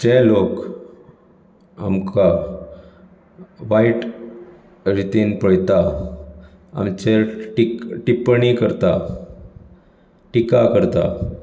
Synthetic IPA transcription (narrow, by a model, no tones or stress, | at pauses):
d͡ʑelok | a̰mka | ʋaiʈ | ɾit̪iːnpəɽt̪a | a̰mt͡ɕeʈikʈipɳikəɾt̪a | ʈikakəɾt̪a̰